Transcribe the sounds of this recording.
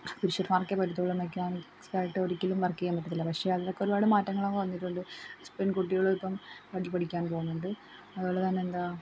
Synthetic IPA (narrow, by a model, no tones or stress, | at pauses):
piɾiʂɐrmarkːepɐʈːit̪ːoːɭːɐmekʲːaːnik | saːjiʈːɨoɾikʲːilumʋɐrkːijamiʈːɐt̪ːilːɐpɐkʂe̞ːɐðiðokːeoɾubaːɽɨmaːtːɐŋːɐɭokːeʋɐnːiʈːuɳɖɨspenkoʈːiɣɐɭoɭpːɐmkɐɽilpɐɽikʲːaːnpo̞ɣunːuɳɖɨ | ɐðoːɭːɐt̪ɐnːeːnd̪aː